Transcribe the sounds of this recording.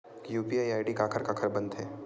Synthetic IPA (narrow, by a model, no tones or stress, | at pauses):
juːpiaːjaːɪɖikaːkʰəɾkaːkʰəɾbɐ̃nd̪ɦɛː